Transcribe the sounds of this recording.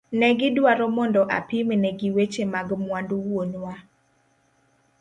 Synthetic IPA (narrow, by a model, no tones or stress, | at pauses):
nɛɡɪdwaɾɔmɔndɔʔa̰pimenɛɡiwet͡ʃemaɡmwanduwonwa